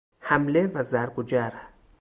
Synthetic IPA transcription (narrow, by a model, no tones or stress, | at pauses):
hæmlevæzæɾɡod͡ʒæɾ